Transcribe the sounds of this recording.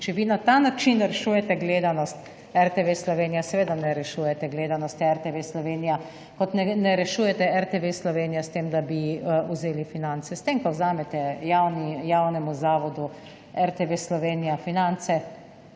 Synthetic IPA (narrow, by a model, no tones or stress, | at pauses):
t͡ʃɛʋiːnat̪anat͡ʃinɾɛʃuːjɛt̪ɛɡleːd̪anɔst̪ | ɛɾt̪eʋeslɔʋeːnijasɛʋeːd̪anɛɾɛʃuːjɛt̪ɛɡleːd̪anɔst̪iɛɾt̪eʋeslɔʋeːnija | kɔt̪nɛnɛɾɛʃuːjɛt̪ɛɛɾt̪eʋeslɔʋeːnijast̪eːmd̪abiuzeːlifinant̪sɛst̪emkɔwzaːmɛt̪ɛjawnijawnɛmuzaːʋɔd̪u | ɛɾt̪eʋeslɔʋeːnijafinant̪sɛ